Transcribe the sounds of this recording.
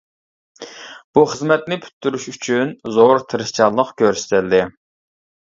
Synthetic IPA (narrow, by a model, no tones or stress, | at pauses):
b̥uχəzmɛt̪nɪpʰy̥t̪ʰːyɾyʃyt͡ʃʰynzoɾt̪ʰɨɾɨst͡ʃʰɑnlˠəqkʲʰøɾsɪ̥t̪ʰɪld̪ɪ